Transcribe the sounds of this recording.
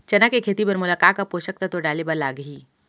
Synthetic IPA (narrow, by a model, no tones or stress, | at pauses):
t͡ʃɐnəkekʰeːt̪ipɐɾmʊlaːkaːapoːʃək̚t̪at̪oɖaːlebɐɾlaːɡɦiː